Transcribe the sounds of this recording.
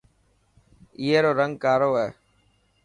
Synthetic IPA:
iːɦeːɾoːɾəŋɡkaːɾoːɦɛː

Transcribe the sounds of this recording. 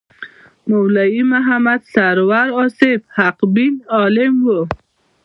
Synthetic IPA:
mawlajimaɦamad̪saɾwaɾɔsebhaqbinɔlɪmwo

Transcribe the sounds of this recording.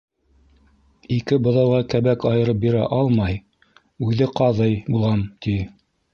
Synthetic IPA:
ikɘbŏðɑwˠʁɑkæβækɑjɤ̆ɾɤp̚biɾæ̰ʔɑlˠmɑj | ʉðɘqɑðɤjbulˠʁɑmt̪ʰi

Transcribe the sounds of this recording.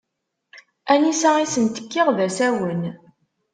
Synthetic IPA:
ænisæisənt̪ə̥kːiʁðæsæwən

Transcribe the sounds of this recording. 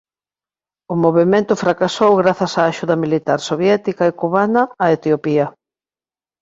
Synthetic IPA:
ʊmoβemẽnt̪ʊfɾakasowɣɾaθɐsaːʃuðɐmilit̪aɾsoβjɛt̪ikɐekuβanɐːet̪eopiɐ

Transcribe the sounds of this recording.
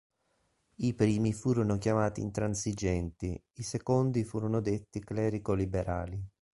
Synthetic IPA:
ipɾiːmifuːɾonokjamaːt̪ḭːnt̪ɾansid͡ʒɛnt̪i | isekond̪ifuːɾonod̪et̪ːiklɛːɾikolibeɾa̰ːli

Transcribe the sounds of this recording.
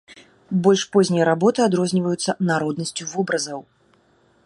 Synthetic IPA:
bɔlʲʂpɔzʲnʲijɐɾabɔt̪ɨad̪ɾɔzʲnʲivəjut̪sːɐnaɾɔd̪nɐsʲt͡sʲuvɔbɾɐzɐw

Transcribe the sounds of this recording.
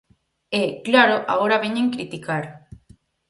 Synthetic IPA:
eklaɾoʔa̰ɣoɾaβeɲẽŋkɾit̪ikaɾ

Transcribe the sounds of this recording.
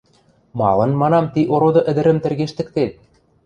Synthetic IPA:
mɑ̰lɤ̆nmɑnɑmt̪iʔoɾod̪ɤ̆ʔɘ̆d̪ɘ̆ɾɘ̆mt̪ɘ̆rɣeʃt̪ɘ̆k̚t̪et̪̚

